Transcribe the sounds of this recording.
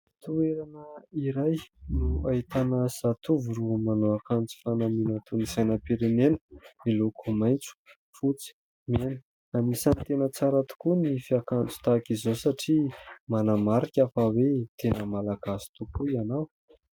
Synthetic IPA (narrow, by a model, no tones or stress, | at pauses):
t̪ueɾanəiɾajnuait̪anəsat̪uvuɾumanuakant͡si̥fanaminat̪unisajnəpiɾenenə̥milukʰumajnt͡su̥ | fut͡si̥ | menə̥ | anisanit̪enət͡saɾat̪u̥kunifiakant͡su̥t̪akizosaʈ͡ʂimanamaɾikʲafawet̪enəmalaɡ̥asi̥t̪upuianaw